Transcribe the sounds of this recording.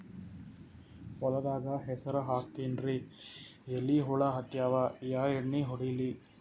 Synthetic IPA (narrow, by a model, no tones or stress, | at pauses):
pɔlɐd̪aːɡɐɦɛsɐɾɐɦaːkːinɾi | elːiɦuɭɐɦɐt̪jaːʋajaːjeɳːiɦɔɽili